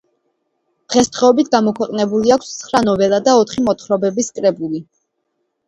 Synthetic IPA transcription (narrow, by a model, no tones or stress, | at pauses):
d̪̥ʁɛsd̪ʁɛɔbit̪ʰɡamɔkʰwɛqʼnɛbuliakʷʰssχɾanɔvɛlˠad̪aɔt̪ʰχimɔt̪χɾɔbɛbiskʼɾɛbuli